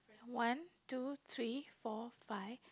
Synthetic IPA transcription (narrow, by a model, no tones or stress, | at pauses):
wãntut̪ʰɹifɔfaɪf